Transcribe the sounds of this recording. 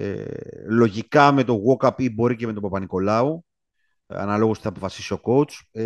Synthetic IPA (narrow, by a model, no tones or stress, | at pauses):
lo̞ʝikɐme̞t̪o̞ɣo̞kɐpibo̞ɾicemet̪o̞pɐpɐniko̞lɐu | ɐ̰nɐlo̞ɣusθɐpofɐsi̥sio̞ko̞ut͡s